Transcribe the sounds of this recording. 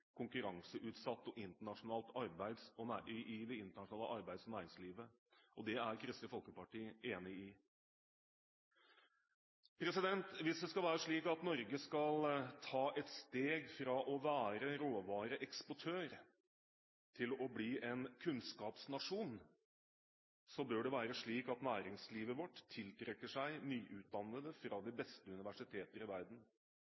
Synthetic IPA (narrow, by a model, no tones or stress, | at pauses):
kʰʊŋkʉɾɑŋsəʔʉːt̪sɑt̪ːɔʔɪnt̪əɳɑʂʊnɑːlt̪ɑɾbæɪd̪sɔnæɪʔɪd̪ɛɪnt̪əɳɑʂʊɳɑːləʔɑɾbæɪd̪sɔnæːɾɪŋsliːʋə | ʔɔd̪ɛæɾkʰɾɪst̪əfɔlkəpɑʈiːeːnɪɪ | pʰɾɛsɪd̪ɛnt̪ʋɪsd̪ɛskɑlʋæːɾəʂɭiːkɑt̪nɔɾɡəskɑlt̪ʰɑːʔɛt̪st̪eːɡfɾɑʔɔʋæːɾəɾoːʋɑːɾəʔɛkspɔʈʰøːɾ | t̪ʰɪlɔbliːʔɛnkʰʉnskɑːpsnɑʂuːn | sɔbøːɖɛʋæːɾəʂɭiːkɑt̪næːɾɪŋsliːʋəʋɔʈt̪ʰːɪlt̪ʰɾɛkːəʂæɪnyːʔʉːt̪̚d̪ɑnːəd̪əfɾɑd̪ɪbɛst̪əʉnɪʋæʂɪt̪ʰeːt̪əɾɪʋæɾd̪n̩